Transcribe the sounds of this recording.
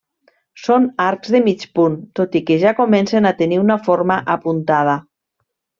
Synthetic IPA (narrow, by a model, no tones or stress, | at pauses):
sonaɾkzðemit͡ʃpunt̪ot̪ikeʒakomɛnsenat̪eniunafoɾmaʔapunt̪að̞a